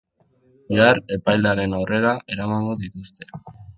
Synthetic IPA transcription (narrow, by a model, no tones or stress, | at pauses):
beare̞pajld̪aɾe̞nawre̞ɾaʔe̞ɾamaŋɡo̞ðit̪ust̪e̞